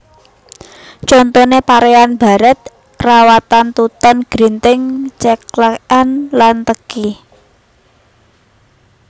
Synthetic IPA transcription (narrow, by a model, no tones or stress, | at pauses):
t͡ʃɔnt̪onepaɾeanb̥a̤ɾɛt̪̚ | rawat̪ant̪ut̪ɔnɡ̥ɾint̪ɪŋt͡ʃəklakanlant̪əki